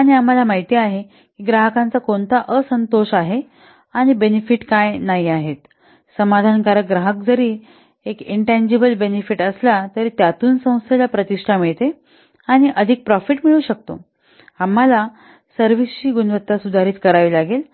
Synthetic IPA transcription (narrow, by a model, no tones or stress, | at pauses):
aɽ̃iam̤alamaɦit̪iaɦe | kiːɡɾaɦəkant͡sakoɳt̪aʔəsənt̪oɕaɦe | aɽ̃ibenefiʈkajnaɦiaɦet̪ | səmad̪ʱankaɾəɡɾaɦək̚d͡zəɾiː | ekiɳʈãnd͡ʑebəlbenefiʈəslat̪əɾit̪jat̪uːnsə̃w̃st̪ʰelapɾət̪iʂʈʰamiɭt̪e | aɽ̃iʔəd̪ʱiːk̚pɾɔfiʈmiɭuːɕək̚t̪o̰ | am̤ːala | səɾʋist͡ɕiːɡunʋət̪ːasud̪ʱaɾiːt̪kəɾaʋiːlaɡel